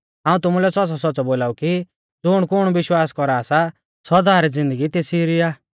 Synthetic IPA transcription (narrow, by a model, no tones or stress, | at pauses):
ɦãːũt̪ʊmulɛsɔsɔsɔt͡sɔboːlaːuki | d͡zʊɽ̃kʊɽ̃uʋɪʃwaːskɔɾaːsa | sɔd̪aːɾid͡zɪ̃nd̪əɡit̪eːsiɾiaː